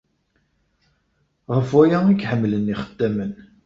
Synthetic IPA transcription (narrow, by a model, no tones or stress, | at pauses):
ʁəfæjæiɡħəmːləniχə̥d̪̥ːæmən